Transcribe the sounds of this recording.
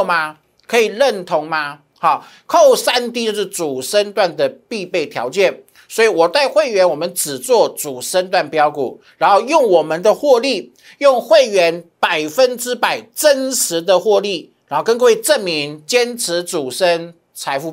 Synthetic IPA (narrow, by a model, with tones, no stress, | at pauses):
ma˧ | kʰɤ˧˥i˨˩ɻə˥˩nt̪ʰʊ˧˥ŋma˧ | xɑ˥˩ | kʰo˥˩ʊsa˥nt̪i˥˧t͡ɕjo˥˧ʊʂɻ̩˥˩t͡su˨˩ʂə˥nt̪wa˥˩nd̪ə˨˩pi˥˧pe˥˩ɪt̪ʰjɑ̰˧˥ʊt͡ɕjɛ˥˩n | swɔ˧˥i˨wɔ˨˩t̪a˥˧ɪxwe˥˩ɪɥɛ˧˥nwɔ˨˩mə˦nʈ͡ʂɻ̩˨˩t͡swɔ˥˩t͡su˨˩ʂə˥nt̪̬wa˥˩npjɑ˥ʊkṵ˨˩˦ɻa˧˥nxo˥˧ʊjʊ˥˩ŋwɔ˨˩mə˦nd̪ə˧xwɔ˥˧li˥˩ | jʊ˥˧ŋxwe˥˩ɪɥɛ˧˥npa˨˩ɪfə˦nʈ͡ʂɻ̩˥pa˨˩ɪʈ͡ʂə˥nʂɻ̩˧˥˦d̪ə˧xwɔ˥˧li˥˩ɻa˧˥xkə˥nkɤ˧we˥˧ɪʈ͡ʂə˥˩nmi˧˦ŋt͡ɕjɛ˥nʈ͡ʂʰɻ̩˧˦t͡su˨˩ʂə˦˥n | t͡sʰa˧˥ɪfu˧˩